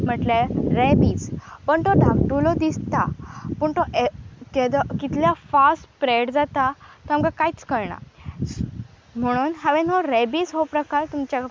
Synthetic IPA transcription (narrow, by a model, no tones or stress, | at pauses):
m̤əʈleɾebid͡zpəɳt̪ɔd̪ʱãmʈulɔd̪ist̪apəɳt̪ɔʔeked̪ɔkit̪ljafasʈpɾeɽd͡zat̪at̪ɔɦamkakajt͡skəɾɳa̰ | m̤əɽ̃uːnɦaʋẽnoɾebiːd͡zɦopɾəkaɾt̪umt͡ɕa